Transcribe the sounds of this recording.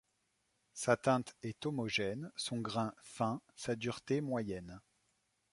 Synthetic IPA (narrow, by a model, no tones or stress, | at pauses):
sat̪ɛ̃t̪ɛt̪ɔmɔʒɛnsɔ̃ɡʁɛ̃fɛ̃sad̪yʁt̪emwajɛn